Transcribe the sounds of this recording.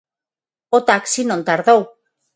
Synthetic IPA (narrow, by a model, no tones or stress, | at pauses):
ot̪aksinõnt̪aɾðow